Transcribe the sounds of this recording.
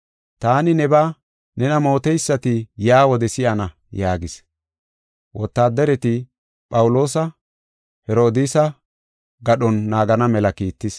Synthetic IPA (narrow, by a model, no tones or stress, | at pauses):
t̪aːnɪnɛbaː | nɛnɐmo̞ːt̪ɛjsːɐt̪ɪjaːwɔd̪ɛsɪʔɐnɐ | jaːɡɪs | wʔɔt̪ːaːd̪ɛɾɛt̪ɪ | pʼɐwʊlo̞ːsɐ | hɛɾo̞ːd̪iːsɐ | ɡɐɗɔnːaːɡɐnɐmɛlɐkiːt̪ːɪs